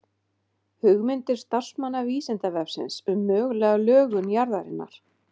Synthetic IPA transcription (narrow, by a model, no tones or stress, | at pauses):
hʏɣmɪnt̪ɪɾ̥st̪ar̥smanːaviːsɛnt̪avɛfsɪ̰nsʏmːœːɣlɛɣalœːɣʏnjaɾðaɾɪ̰nːa̰ɾ̥